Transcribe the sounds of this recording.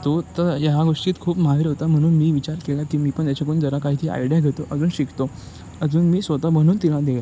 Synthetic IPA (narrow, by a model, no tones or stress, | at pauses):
t̪ot̪əɾjəɦaɡoʂʈiːt̪kʰuːpməɦaʋiɾɦot̪am̤əɽ̃uːnmiːʋit͡ɕaɾkelakiːmiːpəɳt̪jat͡ɕakond͡zəɾakaɦiːt̪ʰiːa̰jɽjaɡʱet̪oʔəd͡zuːnɕikt̪o | əd͡zuːnmiːsʋət̪am̤əɽ̃uːnt̪ilãd̪ea